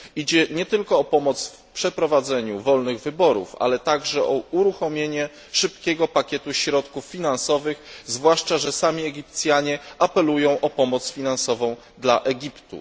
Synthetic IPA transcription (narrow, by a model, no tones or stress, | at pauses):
id͡ʑɛɲɛt̪ɘlkɔːpɔmɔt̪sfpʂɛpɾɔvad̪zɛɲuvɔlnɘɣvɘbɔɾṵfa̰lɛt̪aɡʐɛʔɔuɾuxɔmʲjeɲɛ | ʂɘpkʲɛɡɔpakʲɛt̪uɕɾɔt̪kufːʲinansɔvɘxzvwaʂt͡ʂaʐɛsamʲiɛɡʲipt̪sʲjaɲɛʔapɛlujɔ̃w̃ʔɔpɔmɔt̪sfʲinansɔvɔ̃w̃ | d̪laʔɛɡʲipt̪ṵ